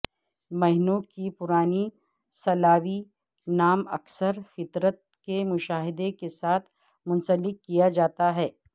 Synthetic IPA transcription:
mɐɦɪnõkipʊɾaːni | sɐlaːʋi | naːmɐ̰ksəɾfɪt̪ɾət̪̚kemʊʃaːɦɪd̪ekesaːt̪ʰ | mʊ̃nsəlɪkːijad͡ʒaːt̪aɦɛː

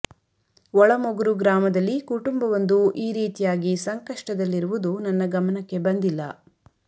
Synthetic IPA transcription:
ʋɔɭɐmoɡuɾuɡɾaːmɐd̪ɐlːikuʈumbɐʋɐnd̪uʔiːɾiːt̪ijaːɡisɐŋkɐʂʈɐd̪ɐlːiɾuʋud̪unɐnːɐɡɐmɐnɐkːe̞bɐnd̪ilːɐ̰

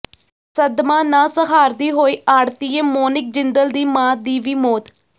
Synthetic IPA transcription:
səd̪mãːnãːsəɦaːɾd̪iːɦoːiːaːɽt̪iːeːmoːnɪk̚d͡ʒɪnd̪əld̪iːmãːd̪iːʋiːmoːt̪

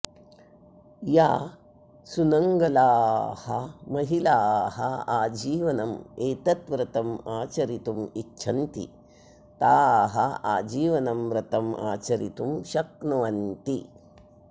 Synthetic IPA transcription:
jaː | sunɐŋɡɐlaːhɐmɐɦilaːɦɐaːd͡ʒiːʋɐnɐmeːt̪ɐt̪ʋɾɐt̪ɐmaːt͡ʃɐɾit̪umitːʃʰɐnt̪ḭ | t̪aːɦɐa̰ːd͡ʒiːʋɐnɐmʋɾɐt̪ɐmʔa̰ːt͡ʃɐɾit̪umʃɐk̚nɐʋɐnt̪i

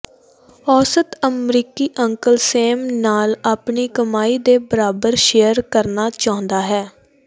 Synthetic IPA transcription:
ɔːsət̪əmɾiːkiːʔəŋkəlseːmnaːlaːpɳiːkəmaːiːd̪eːbəɾaːbəɾʃeːjəɾkəɾnaːt͡ʃaːɦʊ̃nd̪aːɦɛː

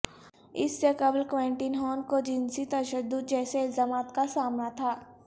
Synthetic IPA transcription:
ɪsːekɐblkʋẽːɳʈinɦɔːnkod͡ʒɪ̃nsit̪ɐʃəd̪ːʊd̪̚d͡ʒɛːseɪlzaːmaːt̪kasaːmnat̪ʰaː

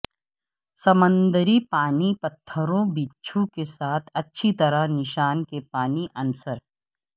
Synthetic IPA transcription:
sɐmə̃nd̪əɾipaːnipɐt̪ʰːəɾõbiːtːʃʰõkesaːt̪ʰɐtːʃʰit̪ɐɾanɪʃaːnkepaːniʔɐnsəɾ

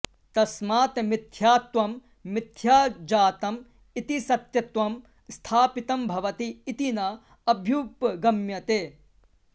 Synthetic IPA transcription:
t̪ɐsmaːt̪mɪt̪ʰjaːt̪ʋɐmː | ɪt̪ʰjaːd͡ʒaːt̪ɐm | it̪isɐt̪jɐt̪ʋɐm | st̪ʰaːpit̪ɐmbʱɐʋɐt̪iːt̪inɐ | ɐbʱjuːpɡɐmjɐt̪eː

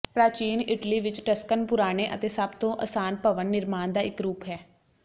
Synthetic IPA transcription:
pɾaːt͡ʃiːnɪʈliːʋɪt͡ʃʈəskənpʊɾaːɽ̃eːʔə̰t̪eːsəbt̪õːʔə̰saːnpəʋənːɪɾmaːnd̪aːɪkɾuːpɦɛː

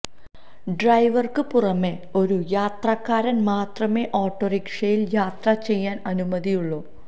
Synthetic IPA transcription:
ɖrɐjʋɐrkɨpurɐme̞ː | o̞ɾujaːt̪rɐkːaːɾɐnmaːt̪rɐme̞ːʔoːʈːoːrikʂɐjiljaːt̪rɐt͡ɕe̞jːaːnɐnumɐðijuɭːoː

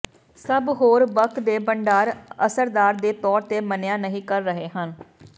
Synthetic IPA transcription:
səbɦoːɾbəkʰd̪eːbəɳɖaːɾə̰səɾd̪aːɾd̪eːt̪ɔːɾt̪eːmənjaːnəɦĩːkəɾːəɦeːɦən

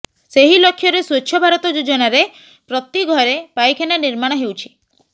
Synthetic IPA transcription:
seɦilɔkʰːjɔɾeswet͡ʃʰːjɔbʱaɾɔt̪ɔd͡ʒud͡ʒɔnaɾe | pɾɔt̪iɡʱɔɾepajkʰenaniɾmaɽ̃ɔɦewt͡ʃʰi̥

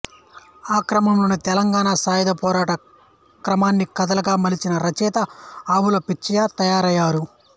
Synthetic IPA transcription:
aːkɾɐmɐmlunːɐt̪ɛlɐŋɡaːnasaːjɐd̪ɐpɔːɾaːʈɐ | kɾɐmaːnːikɐd̪ɐlɐɡaːmɐlit͡ʃinɐɾɐt͡ʃɛːt̪ɐaːwulɐpit͡ʃːɐjaːt̪ɐjaːɾɐjːaːɾu

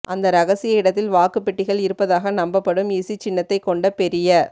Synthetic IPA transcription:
ʔɐnd̪ɐɾɐɣɐsɪjɐɪɽɐt̪ːɪlʋaːkɯpːɛʈːɪɣɐɭɪɾɯpːɐðaːɣɐnɐmbɐpːɐɽɯmiːsit͡ʃɪnːɐt̪ːɐɪkːɔɳɖɐpɛɾɪjɐ

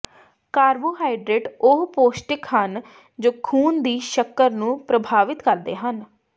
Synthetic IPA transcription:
kaːɾboːɦaːiɖɾeːʈʊɦpoːsʈɪkɦən | d͡ʒoːkʰuːnd̪iːʃəkːəɾnũːpɾəbʱaːʋɪt̪kəɾd̪ḛːɦən

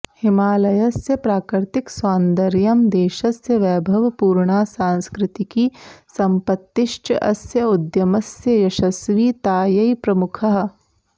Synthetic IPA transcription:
hɪmaːlɐjɐsjɐpɾaːkɾɪɾt̪ɪkswaːnd̪ɐɾjɐmd̪eːʃɐsjɐʋɛːbʱɐʋpuːɾɳaːsãːnskɾɪt̪ikisɐ̃mpɐt̪ːɪʃʈʔɐsjɐʊd̪jɐmɐsjɐjɐʃɐsʋiːt̪aːjɐipɾɐmʊkʰɐɦ

